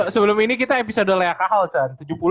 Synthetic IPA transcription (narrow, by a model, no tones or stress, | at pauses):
səbəlʊminikit̪aepisodəlajakaɦalt͡ʃant̪ud͡ʒupul